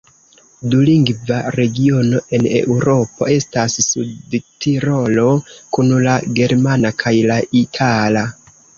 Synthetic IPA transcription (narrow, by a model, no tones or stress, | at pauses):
duliŋɡvaɾe̞ɡio̞no̞ʔe̞ne̞̰ʔuɾo̞po̞̰e̞stasːudtʰiɾo̞lo̞kunlaɡe̞ɾmanakʰajlaitʰala